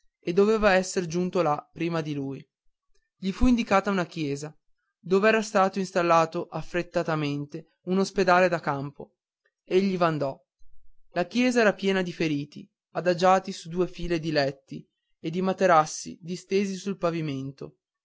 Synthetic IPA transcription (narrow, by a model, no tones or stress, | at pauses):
ed̪ːoveːvaɛsːeɾd͡ʒunt̪olapːɾiːmad̪iluːj | ʎifuind̪ikaːt̪aunak̟jɛːza | d̪oːveɛːɾast̪aːt̪oinst̪alːaːt̪oʔafːɾet̪ːat̪ament̪e | unosped̪aːled̪akampo | eʎːivand̪ɔ | lakjɛːzaɛːɾapjɛːnad̪ifeɾiːt̪ḭ | ad̪ad͡ʒaːt̪isud̪uːefiːled̪ilɛt̪ːi | ed̪ːimat̪eɾasːḭd̪ist̪eːzisulpaviment̪o